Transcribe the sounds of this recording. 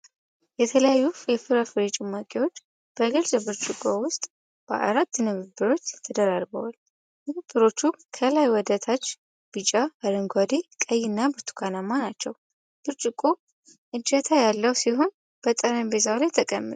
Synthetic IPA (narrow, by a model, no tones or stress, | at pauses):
jɛt̪ʰələjajːujɛfɨɾafɨɾet͡ʃʼɪmakʼewo̞t͡ʃː | b̥əɡɨlzəbɨɾt͡ʃʼɨkʼowʊst̪ʼ | b̥ə̰ʔa̰ɾat̪ːnɨβɨbɨɾo̞t͡ʃːjɛt̪ʰəd̪əɾaɾbə̰wa̰l | nɨβɨbːɨɾo̞t͡ʃːukʰəlajwɔd̪at̪ʰat͡ʃː | b̥ɨt͡ʃʼaaɾəŋɡʷad̪ekʼəjːɪnːabɨɾt̪ʰu̥kʰanamːanat͡ʃːɛw | b̥ɨɾt͡ʃʼɨkʼo | ʔɨd͡ʒət̪ʰajalːəwsiɦo̞n | b̥ət̪ʼəɾambezawlajt̪ʰəkʼəmːɨt̪